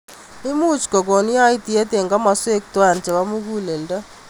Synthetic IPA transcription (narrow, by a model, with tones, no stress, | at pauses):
ɪ˦mu˦t͡ʃko˨ko˨nja˦ɪ˦ti˨e˦te˨ŋɡa˦ma˨swe˦k̚twa˦˨nt͡ʃɛ˨wa˦mu˦ku˦le˨lda˦